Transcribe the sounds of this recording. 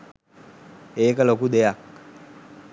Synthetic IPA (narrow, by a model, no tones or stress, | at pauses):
ekalokud̪ejak̚